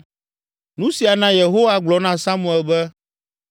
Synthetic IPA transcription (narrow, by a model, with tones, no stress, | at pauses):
nũ˦si˨a˨nã˦je˨ɦo˦wa˦ɡ͡blɔ˨˦nã˦sa˦mũ˨ɛ˨lbɛ˦